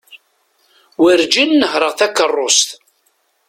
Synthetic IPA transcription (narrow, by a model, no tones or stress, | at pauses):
wəɾd͡ʒinːəhɾəʁθækːərˤːost̪